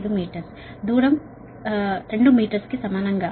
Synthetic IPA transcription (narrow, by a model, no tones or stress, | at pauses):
d̪umiːʈɐɾs | d̪uːɽɐm | t̪eɳɖumiːʈɐɾskesɐmaːnɐŋɡɐ